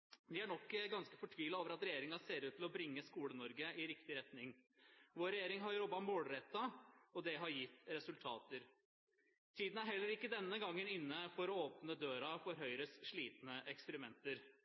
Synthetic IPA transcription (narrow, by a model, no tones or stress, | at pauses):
d̪ɪæɳɔkːəɡɑnskə̥fɔʈʰʋiːlɑoːʋəɾɑt̪ɾɛjeːɾɪŋɑseːɾʉːt̪ʰlɔbɾɪŋːəskuːlənɔɾɡəɪɾɪkt̪ɪɾɛt̪nɪŋʋoːɾɛjeːɾɪŋɦɑɾɾɔbɑmoːɽɾɛt̪ːɑɔd̪ɛɦɑɾjɪt̪ːɾɛsʉlt̪ʰɑ̰ːt̪əɾ | t̪ʰiːd̪n̩æɾɦɛlːəɾɪkːəd̪ɛnːəɡɑŋːənɪnːəfɔɾɔoːpnəd̪øːɾɑfɔɾɦœʏɾəsʂɭiːt̪nəʔɛkspəɾɪmɛnt̪əɾ